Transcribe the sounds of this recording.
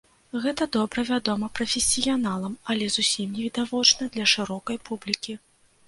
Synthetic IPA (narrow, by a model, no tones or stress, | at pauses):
ɣɛt̪ɐd̪ɔbɾɐvʲad̪ɔmɐpɾɐfʲesʲijanalˠɐmɐlʲɛzusʲimnʲɛvʲid̪avɔt͡ʂnɐd̪lʲɐʂɨɾɔkɐjpublʲikʲi